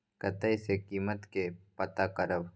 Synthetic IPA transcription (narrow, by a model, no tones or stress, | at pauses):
kɐt̪əjsekiːmət̪kepɐt̪akəɾəʋ